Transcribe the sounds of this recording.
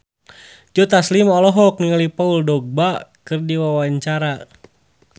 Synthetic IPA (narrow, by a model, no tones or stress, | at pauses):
d͡ʒɔt̪aslimɔlɔɦɔk̚niŋalipauldɔɡ̚bakɨrdiwawaɲt͡ʃaɾa